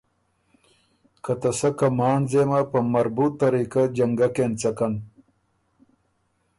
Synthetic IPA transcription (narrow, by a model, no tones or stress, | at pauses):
kɐt̪ɐsɐkɐmaːnzeːmapɐmɐɾbut̪ːɐɾiːkad͡ʑɐŋɡakent͡sɐkɐn